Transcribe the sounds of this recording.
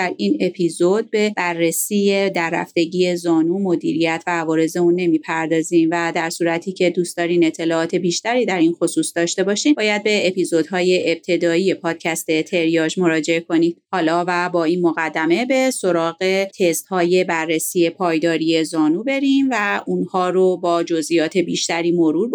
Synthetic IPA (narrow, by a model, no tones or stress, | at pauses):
d̪æɾiːne̞pʰiːzod̪̚be̞b̥ærːesiːjed̪ærːæ̰ft̪e̞ɟije̞zɒːnuːmo̞d̪ḭːɾijæt̪ʰvæːvɒːɾe̞ze̞unːe̞miːpʰæɾd̪ɒːziːmvæd̪æɾsuːɾæt̪ʰiːcʰe̞d̪uːst̪ɒːɾine̞t̪ʰːe̞lɒːɒːt̪ʰe̞biːʃt̪æɾiːd̪æɾiːnxo̞suːsd̪ɒːʃt̪e̞bɒːʃiːmbɒːjæd̪̚be̞epʰiːzo̞d̪ɦɒːje̞ʔeb̥̚t̪ʰe̞d̪ɒːiːje̞pʰɒːd̪̥̚cʰæst̪e̞t̪ʰe̞ɾijɒːd͡ʒmo̞ɾɒːd͡ʒe̞ekʰo̞niːd̪hɒːlɒːvæbɒːiːnmo̞ɣæd̪ːæme̞be̞so̞ɾɒːɣe̞t̪ʰe̞st̪hɒːje̞bærːesiːe̞pʰɒːjd̪ɒːɾije̞zɒːnuːbe̞ɾimvæunhɒːɾobɒːd͡ʒo̞zʔijɒːt̪ʰe̞biːʃt̪æɾiːmo̞ɾuːɾ